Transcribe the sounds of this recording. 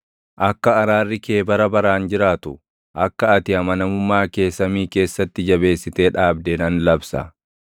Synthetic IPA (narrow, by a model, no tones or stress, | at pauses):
ʔɐkːɐːɾaːrːɪkeːbɐɾɐbɐɾaːnd͡ʒɪɾaːt̪ʊ | ʔɐkːɐɐt̪ɪɐmɐnɐmʊmːaːke̞ːsːɐmiːke̞ːsːɐt̪ːɪd͡ʒɐbe̞ːsːɪt̪e̞ːᶑaːbd̪eːnɐnlɐbsɐ̰